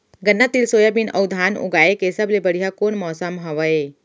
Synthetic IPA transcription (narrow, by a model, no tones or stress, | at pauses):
ɡənːat̪ilsoːjabinɐ̰wd̪ʱaːnʊ̰ɡaːekesəblebəɽ̤iɦakoːnmɔːsəmɦɐʋɐe